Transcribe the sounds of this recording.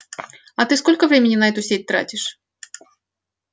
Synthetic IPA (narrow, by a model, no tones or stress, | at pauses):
ɐt̪ɨsko̞lʲkəvɾʲemʲɪnʲːɪnɐɛt̪ʊsʲet̚ʲt̪ɾa̰tʲɪʂ